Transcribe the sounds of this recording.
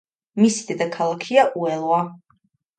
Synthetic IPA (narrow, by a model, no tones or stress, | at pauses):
misid̪ɛd̪akʰalˠakʰiaʔuɛlˠwa